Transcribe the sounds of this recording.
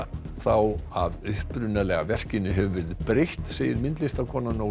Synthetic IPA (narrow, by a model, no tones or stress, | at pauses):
θawaðʏhpɾʏnalɛɣavɛr̥cɪnːʏɦɛvʏvɪɾɪðpɾeht̪seːjɪ̰ɾmɪnt̪lɪst̪akʰɔːnano